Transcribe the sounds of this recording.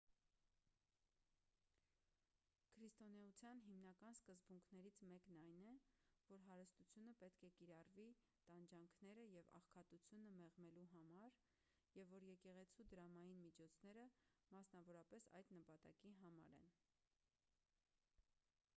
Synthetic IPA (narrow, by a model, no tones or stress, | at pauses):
kʰəɾist̪ɔnɛut͡sʰjɑnɦimnɑkɑnskəzbuŋkʰnɛɾit͡sʰmɛknɑjnɛvɔɾɦɑɾəst̪ut͡sʰjunəpɛt̪kʰɛkiɾɑrvi | t̪ɑnd͡ʒɑŋkʰnɛɾəjɛvɑ̰χkʰɑt̪ut͡sʰjunəmɛʁmɛluɦɑmɑɾ | jɛvːɔɾjɛkɛʁɛt͡sʰud̪əɾɑmɑjinmit͡ʃʰɔt͡sʰnɛɾəmɑsnɑvɔɾɑpɛsɑ̰jd̪nəpɑt̪ɑ̰kiɦɑmɑ̰ɾɛ̰n